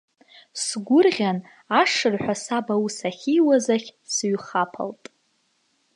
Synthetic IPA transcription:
sɡʷʊrʁʲan | aʂɨrħʷᶣasabawusaχʲijwazaχʲsɥχapʰa̰ltʼ

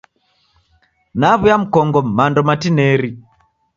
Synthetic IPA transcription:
naβujam̩kɔŋɡɔmandɔmatinɛɾi

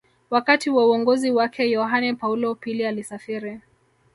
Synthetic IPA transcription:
wakatiwauɔŋɡɔziwakʰɛjɔɦanɛpaulɔpilialisafiɾi

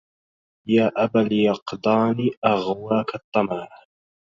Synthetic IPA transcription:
jaːʔabaljɑqd̪ˤɑːniːʔaɣwaːkat̪ˤːɑmɑɾˤɑ

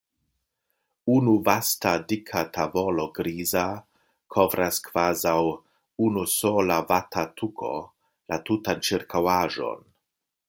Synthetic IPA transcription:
unuvastadikʰatʰabolo̞ɡɾiza | kʰo̞vɾʔaskv̥azaw | unusolavatʰatʰukʰo̞̰ | latutant͡ʃiɾkʰawaʒo̞̰n

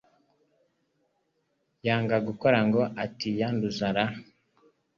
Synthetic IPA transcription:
jaːŋɡaɡukoɾaŋɡoʔatijanduzaɾa

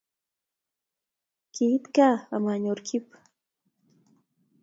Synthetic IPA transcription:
kit̪kaamaɲoɾkʰip

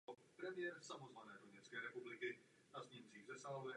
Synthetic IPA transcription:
pɾɛmɪjɛɾsamozvanɛːdoɲɛt͡skɛːɾɛpublɪkɪ | azɲɛmt͡siːɣzɛsalvɛ

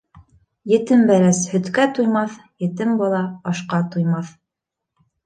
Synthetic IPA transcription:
jɘ̆t̪ɘmbæɾæshɵ̆t̪kæt̪ujmɑθjɘ̆t̪ɘmbɑlˠɑɑʃqɑt̪ujmɑθ

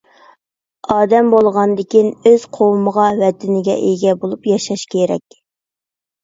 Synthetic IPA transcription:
ɑːd̪ɛmbolˠʁɑnd̪ɪkʲʰinøz̥qʰowuməʁɑwɛt̪ʰɪnɪɡʲɛ̰ʔeɡʲɛbolˠupjɑʃɑʃkʲʰeɾɛ̰kʲ

